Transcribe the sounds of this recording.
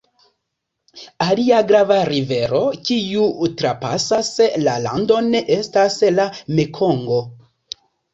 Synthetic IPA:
aliaɡɾavaɾive̞ɾo̞kiutɾapa̰saslala̰ndo̞ne̞ʔe̞staslamekʰo̞ŋɡo̞

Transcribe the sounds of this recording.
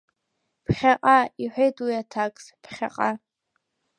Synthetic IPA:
pʰχʲaqʼaiħʷᶣejtʼwjatʰakʼspʰχʲa̰qʼa

